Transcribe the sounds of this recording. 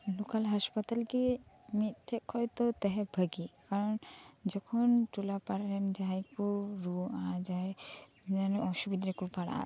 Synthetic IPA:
lukalɦaspat̪alki | mit̪ːʰɛkʰːɔjt̪ɔt̪ɛɦɛbʱəɡikaɾɔnd͡ʒɔkʰɔnʈulapaɾɛnd͡ʒajkuɾuad͡ʒae | ɛnɔʃubid̪ɾɛkupaɽa̰

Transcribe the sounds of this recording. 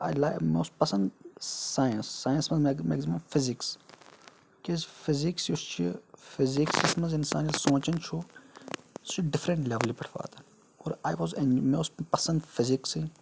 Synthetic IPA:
ajlamoːspɐsɐ̃nd̪saːjɐnsːaːjɐ̃nsmɐzmemḛɡzimoːnfɪziks | kezfɪziksjust͡ʃʰifɪziksismɐzɪnsaːnilsõːt͡ʃɐnt͡ʃʰu | st͡ʃʰiɖɪfɾɐ̃ɳʈlɛʋɐlipɐʈʰʋa̰ːt̪ɐn | oːɾaːjʋozẽnmeːspɐsɐ̃nd̪fɪziksi

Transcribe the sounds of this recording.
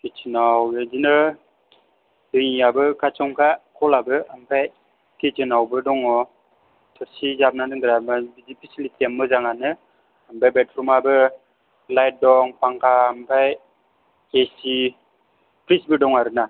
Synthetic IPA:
ket͡ʃinawɡed͡ʒinə | dɯŋiabɯkat͡ʃɔŋkakʰɔlabɯampaj | ket͡ʃɯnawbɯdɔŋɔ | tʰɔsid͡ʒab̚nadɯŋɡɯɾamabidipisilitʰɛmːɯzaŋanɯ | ampajbɛtɾumabɯ | lajt̚dɔŋpaŋkaampaj | esi | pɾisbədɔŋaɾɯna

